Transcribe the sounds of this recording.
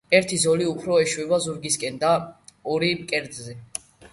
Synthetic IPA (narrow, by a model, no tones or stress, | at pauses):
ɛɾt̪ʰizɔliupʰɾɔɛʃwɛbazuɾɡiskʼɛnd̪aɔɾimkʼɛɾd̪zɛ